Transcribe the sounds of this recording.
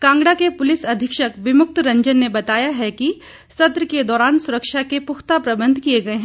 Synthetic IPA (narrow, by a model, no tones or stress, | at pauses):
kãːŋɡɽakepʊlɪsɐd̪ʱɪkʃəkʋɪmʊk̚t̪ɾɐ̃ɲd͡ʒənːebɐt̪aːjaɦɛki | sɐt̪ɾəked̪ɔːɾaːnsʊɾəkʃakepʊxt̪apɾɐbə̃nd̪ʱkieɡɐeɦɛ̃